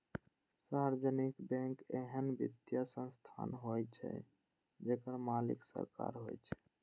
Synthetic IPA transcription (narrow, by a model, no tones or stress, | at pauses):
saɾd͡ʒənikbɛ̃ŋkeɦənbḭd̪jasə̃nst̪ʰa̰nɦojt͡ʃʰɛ̰ | d͡ʒekəɾmalḭksə̰ɾka̰ɾɦo̰jt͡ʃʰɛ̥